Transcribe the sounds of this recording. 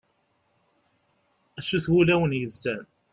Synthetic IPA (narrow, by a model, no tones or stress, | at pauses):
æsːuθwulæwənjəzːæn